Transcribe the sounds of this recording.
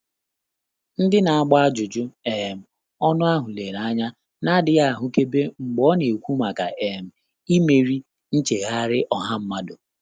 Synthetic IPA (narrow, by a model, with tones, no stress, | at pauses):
n̩˦dɪ˦na˨a˦ɡ͡ba˦a˦d͡ʒʊ˨d͡ʒʊ˦e˨m̩˨ | ɔ˦nʊ˦a˦ɦʊ˨le˨ɾa˦ɲa˦ | na˦dɪ˨ɣa˦˨ɦʊ˨ke˦be˦ŋ͡m̩˨ɡ͡bɔ˦ne˨kʷu˦ma˨ka̰˨ʔe˨m̩˨ | i˦me˨ɾi˦ | n̩˦t͡ʃe˨ɣa˦ɾɪ˦ʔɔ˨ɦa˦m̩˦ma˦do˨